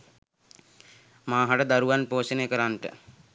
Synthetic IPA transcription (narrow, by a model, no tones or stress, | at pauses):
maːɦaʈəd̪aɾuʋanpoːseneːkəɾanʈə̰